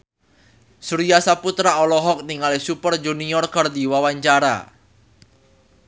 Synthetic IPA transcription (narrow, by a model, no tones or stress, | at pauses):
suɾijasaput̪ɾaɔlɔɦɔk̚niŋalesupərd͡ʒuniɔrkard̪iwawaɲt͡ʃaɾa̰